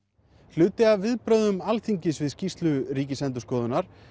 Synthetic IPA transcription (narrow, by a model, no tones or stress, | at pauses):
θʏːt̪ɪavvɪðpɾœɥðʏmalθiɲcɪsvɪðscist̪lʏɾiːcɪsɛnt̪ʏskɔːðʏnaɾ̥